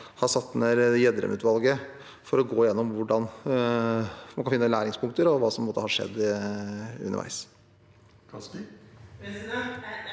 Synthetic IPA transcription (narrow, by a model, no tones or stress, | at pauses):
hɑsɑt̪̚ːd̪ɛnæːɾjɛd̪ɾə̰mʔʉːt̪ʋɑlɡə | fɔɾɔɡoːjɛnːɔmʋʊɖɑn | mɑnkɑfɪnːəlæːɾɪŋspʰʊŋkt̪əɾɔʋɑːsɔmbəmoːt̪əhɑʂɛ̰d̪ː | ʉ̰nə̰ʔæ̰ɪs